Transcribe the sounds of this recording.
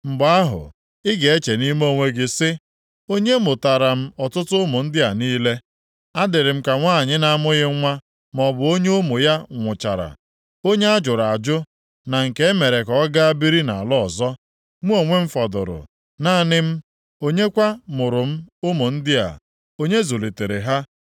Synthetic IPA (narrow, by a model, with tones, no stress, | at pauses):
m̩˨ba˦ɦʊ̰˨ | ɪ˦ɡe˨e˦t͡ʃe˨ni˦m˦o˦˨ŋʷe˦ɡɪ˦sɪ˦ | o˦ɲe˦mʊ˨ta˨ɾa˨m̩˦ɔ˨tʊ˦tʊ˦mʊ˨n̩˦dɪ˦a˨niː˦le˦ | a˦dɪ˨ɾɪ˨m̩˦ka˨ŋʷaː˦˨ɲɪ˦na˨a˨mʊ˦ɣɪ˦ŋʷa˦ | mɔ˨bʊ˨o˦ɲe˦o˦mʊ˨ja˦ŋʷʊ˨t͡ʃa̰˨ɾa̰˨ | o˦ɲe˦a˦d͡ʒʊ˨ɾa˨d͡ʒʊ˦ | na˨ŋ̩˨ke˦e˦me˨ɾe˨kɔ˦ɡa˦a˦bi˦ɾi˦na˨lɔ˦ɔ˨zɔ˦ | ŋʷu˦o˨ŋʷe˦m̩˦fɔ˨dʊ̰˨ɾʊ̰˨ | naː˦˨nɪ˦m̩˦ | o˦ɲe˦kʷa˦mʊ˨ɾʊ˨m̩˦ʊ˦mʊ˨n̩˦dɪ˦a̰˨ | o˦ɲe˦zo˨li˨te˨ɾe˨ɦa˦